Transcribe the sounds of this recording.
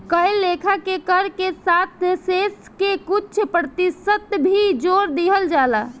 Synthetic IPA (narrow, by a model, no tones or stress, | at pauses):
kəjlːekʰakekəɾkesat̪ʰseskekut͡ʃʰpɾəət̪isət̪bʱid͡ʒoɾd̪iɦəld͡ʒala